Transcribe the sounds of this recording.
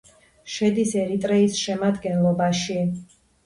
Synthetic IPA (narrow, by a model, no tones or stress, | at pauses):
ʃɛd̪isɛɾit̪ʼɾɛisʃɛmad̪ɡɛnlˠɔbaʃi